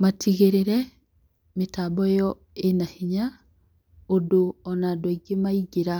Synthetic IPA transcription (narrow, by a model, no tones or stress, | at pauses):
matʰiɣeɾeɾɛ | metabɔjɔ | enahiɲa | odoɔnadwaiɡemaiɡeɾa